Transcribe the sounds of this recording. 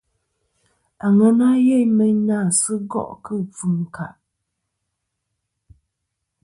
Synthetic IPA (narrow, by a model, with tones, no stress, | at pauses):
a˨ŋɔ˦na˦jɛ˦jmɛ˦ɲnaː˦˨sɨ˦ɡɔ̰˦˨ʔkɨ˦˨p͡fu˨m˨ka̰˨ʔ